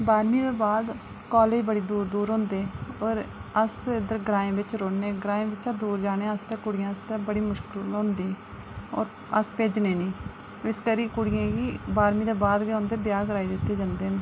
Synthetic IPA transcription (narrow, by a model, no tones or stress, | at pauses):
baːɾmiːd̪eːbaːd̪ | koːleːd͡ʒbəɽiːd̪uːɾd̪uːɾɦõːnd̪eːɔːɾəsɪd̪əɾɡɾãːẽːbɪt͡ʃɾoːneːɡɾaːẽːʋɪt͡ʃad̪uːɾd͡ʒaːɽ̃ẽːəst̪ɛ̃ːkʊɽɪjãːəst̪ɛːbəɽiːmʊʃkɪllɦõːnd̪iː | ɔ̰ːɾ | əspeːd͡ʒneːniː | ɪskəɾiːkʊɽɪjãːɡiːbaːɾmiːd̪eːbaːd̪ɡeːõːnd̪eːbɪjaːkəɾaːiːd̪ɪt̪ːeːd͡ʒãːnd̪eːn